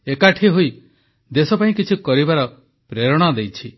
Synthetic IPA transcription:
ekaʈʰiɦoj | d̪esɔpaĩkit͡ʃʰukɔɾibaɾɔ | pɾeɾɔɽ̃ɔd̪ejt͡ʃʰi

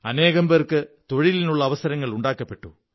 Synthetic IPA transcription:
ɐneːɣɐmberkɨt̪o̞ɻilinuɭːɐːʋɐsɐɾɐŋːɐɭuɳɖaːkːɐpːe̞ʈːṵ

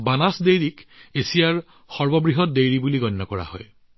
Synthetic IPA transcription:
banasdejɹikesijaɹ | xɔɹbɔbɹiɦɔt̚dejɹibuliɡɔnːɔkɔɹa̰hɔ̰j

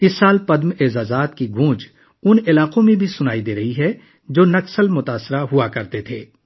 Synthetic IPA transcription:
ɪsːaːlpɐd̪meːzaːzaːt̪kiɡʱũːd͡ʒ | ʊnɪlaːqõmẽbʱisʊnaːid̪eːɾɐɦiɦɛ | d͡ʒoːnɐksəlmʊt̪aːsɪɾaɦʊakɐɾt̪et̪ʰeː

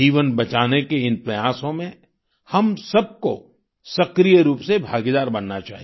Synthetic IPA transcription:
iːʋənbɐt͡ʃaːnekeɪnpɾɐjaːsõmẽ | hɐmsɐb̚ko | sɐkɾijəɾuːpsebʱaːɡid̪aːɾbɐnːat͡ʃa̰ːɦi

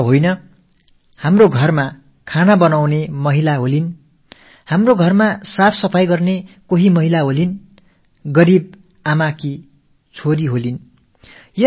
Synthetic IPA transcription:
ɦojnʌ | hamroɡʱʌrma | kʰanabʌnawnemʌɦilaɦolin | hamroɡʱʌrmasapʰsʌpʰajɡʌrnekoɦimʌɦilaɦolin | ɡʌɾib̚ | amaki | t͡sʰoɾiɦolin | jʌ

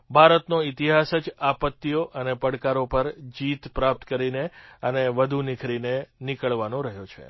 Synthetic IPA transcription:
bʱaɾət̪noit̪iɦasəd͡ʒapət̪ːijoʔənepəɽkaɾopəɾd͡ʒit̪pɾap̚t̪kəɾineəneʋəd̪ʱunɪkʰɾinenikəɭʋanõɾəɦjot͡ʃʰḛ

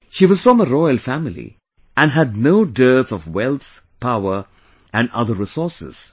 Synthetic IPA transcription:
ʃiʋʌz̥fɹɔ̃məɾɔɪəlfæmɪlḭ | ʔæ̃næd̚noʊdɜ˞θɔvwɛlˠθ | pʰaʊə˞ | æ̃nʌ̰ðəɾɹɪsɔɹsɪ̰z̥

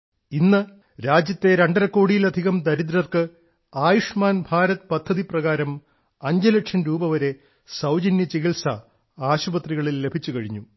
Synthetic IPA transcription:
inːɨ | ɾaːd͡ʑjɐt̪ːe̞ɾe̞ɳɖɐɾɐkːo̞ːɽijilɐd̪ʱiɣɐmd̪ɐɾid̪̬ɾɐrkɨ | aːjuʂmaːnbʱaːɾɐt̪pɐd̪ʱːɐðiprɐɣaːɾɐm | ɐɲd͡ʑɐlekʂɐnɾuːbɐʋɐɾe̞ | sɐwd͡ʑɐnjɐt͡ɕiɣilsɐ | aːɕubɐt̪riɣɐɭilːe̞bʱit͡ɕːukɐɻiɲːu

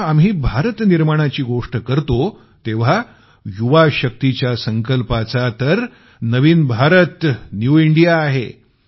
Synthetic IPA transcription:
amɦiːbʱaɾət̪niɾməɽ̃at͡ɕiːɡoʂʈəkəɾt̪o | t̪eʋ̤a | juʋaɕək̚t̪it͡ɕjasəŋkəlpat͡sat̪əɾ | nəʋiːnbʱaɾət̪njuiɳɖijaːɦe

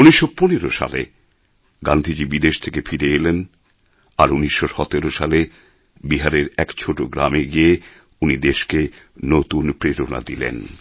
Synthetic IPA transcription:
uniʃːoponeɾoʃa̰lḛ | ɡa̰nd̪ʱid͡ʑibid̪eʃt̪ʰekefiɾeelen | aɾuniʃːoʃɔt̪eɾoʃale | biɦaɾeɾɛkt͡ɕʰoʈoɡɾa̰meɡie | unid̪eʃke | not̪unpɾeɾona̰d̪ilḛn

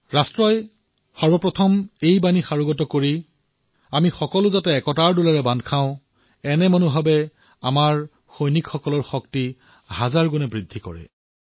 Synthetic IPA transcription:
ɹastɹɔj | xɔɹbɔpɹɔtʰɔmejbanixaɹʊɡɔtɔkoɹi | amixɔkɔlʊzatɛːkɔtaɹdulaɹɛbandkʰãʊ̃ | ɛnɛmonʊɦabɛ | amaɹ | xojnikxɔkɔlɔɹxɔk̚ti | hazaɹɡunɛbɹidʱːikɔ̰ɹɛ̰

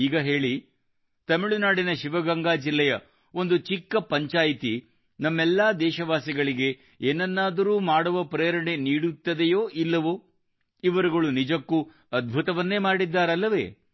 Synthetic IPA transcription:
iːɡɐɦe̞ːɭi | t̪ɐmiɭunaːɽinɐʃiʋɐɡɐŋɡaːd͡ʒilːɛjɐ | o̞nd̪ut͡ʃikːɐpɐɲt͡ʃaːjt̪i | nɐmːɛlːaːd̪ɛːʃɐʋaːsiɡɐɭiɡe̞ | eːnːɐnːaːd̪ɐɾuːmaːɽuʋɐpɾɐjɐɾɐɳe̞niːɽut̪ːɐd̪ejoːʔilːɐʋu | iʋɐɾuɡɐɭunid͡ʒɐkːu | ɐd̪̚bʱut̪ɐʋɐnːe̞ːmaːɽid̪ːaːɾɐlːɐʋḛː

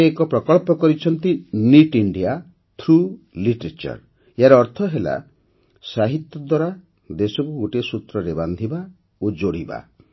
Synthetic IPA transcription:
ekɔpɾɔkɔɭpɔkɔɾit͡ʃʰɔnt̪iniʈiɳɖia | t̪ʰɾu | liʈɔɾet͡ʃɔ̰ɾ | jaɾɔɔɾt̪ʰɔɦela̰ | saɦit̪jɔd̪waɾa | d̪esɔkuɡoʈesut̪ɾɔɾeband̪ʱiba | od͡ʒoɽiba̰

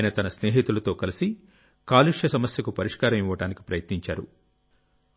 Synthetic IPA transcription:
nɐt̪ɐnɐsneːɦiːt̪ulɐt̪o̞ːkɐlisi | kaːliʂjɐsɐmɐsjɐkupɐɾiʂkaːɾɐmiʋːɐʈaːniki̥pɾɐjɐt̪niɲt͡ʃaːɾṵ

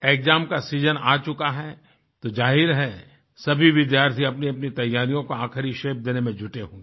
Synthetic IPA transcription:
eːkzaːmkasiːzənaːt͡ʃʊkaɦɛ | t̪od͡ʒaːɦɪɾɦɛ | sɐbʱiʋɪd̪jaːɾt̪ʰiɐpniɐpnit̪ɐjːaːɾijõkoãːkəɾiʃeːp̚ʰd̪eːnemẽd͡ʒʱʊʈeɦõːɡe

